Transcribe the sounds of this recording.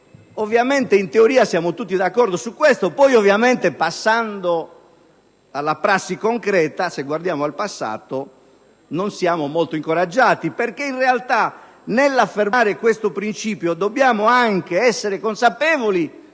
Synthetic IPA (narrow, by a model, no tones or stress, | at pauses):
ovːjament̪eint̪eoɾiːasjaːmot̪ut̪ːid̪akːɔrd̪osukːwest̪opɔjovjament̪epasːand̪o | alːapɾasːikoŋkɾɛːt̪aseɡward̪jaːmoalpasːa̰ːt̪o | nonsjaːmomɔlt̪oiŋkoɾad͡ʒːaːt̪iperkeinrealt̪a | nelːafːermaːɾekwest̪opɾint͡ʃiːpjod̪obːjaːmoaŋk̟eɛsːeɾekonsapɛːvoli